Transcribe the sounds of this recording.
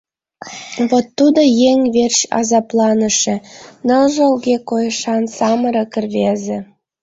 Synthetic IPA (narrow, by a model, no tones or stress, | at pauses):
βot̪ːud̪ojeŋʲβerɕɑ̰zɑplˠɑnə̆ʃĕnɤ̆lʒɤ̆lɡekojəʃɑnsɑməɾɤkə̆rβezĕ